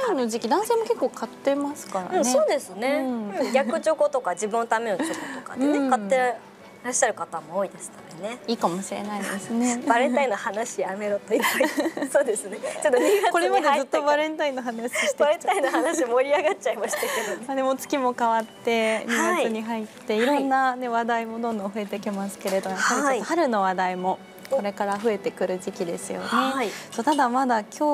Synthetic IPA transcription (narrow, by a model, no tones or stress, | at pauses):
ano̞ʑikʲid̪ãɰ̃seːmo̞ke̞kːo̞ːkʰat̪ːe̞masɨ̥kaɾa̰ɯ̃neso̞ːd̪e̞sɨne̞ɯ̃ɡʲakɯ̟d͡ʑokot̪o̞kad͡ʑibɯ̟̃not̪ame̞not͡ɕokot̪o̞ka̰ẽkat̪ːe | ɾaɕi̥ɕaɾɯ̟kat̪amo̞oːid̪e̞sɨ̥t̪ad̪ene̞iːkamo̞ɕiɾḛnaid̪ḛsɨneb̥aɾẽ̞nt̪aino̞hanaɕiame̞ɾot̪oiasoːd̪e̞sɨneod̪oko̞ɾemad̪ezɨt̪ːobaɾẽ̞nt̪aĩnːoɦanaɕib̪e̥aɾẽnt̪aĩnohanaɕimo̞ɾʲiaɡat̚t͡ɕaimaɕi̥t̪aked̪oead̪emot͡sɨ̥kʲimo̞kaβat̪ːe̞ɲʲiɡaiɨɲ̟iɦait̪ːe̞iɾõ̞nːane̞βad̪aimo̞d̪õ̞nd̪õ̞ɸɯ̟e̞t̪e̞kʲimasɨ̥ke̞ɾe̞d̪oakaɾiaohaɾɯ̟no̞βad̪aimo̞ | ko̞ɾe̞kaɾaɸɯ̟e̞t̪e̞kɯ̟ɾɯ̟ʑikʲid̪e̞̰sɨjo̰ne̞aisoːt̪ad̪amad̪akʲo̞ː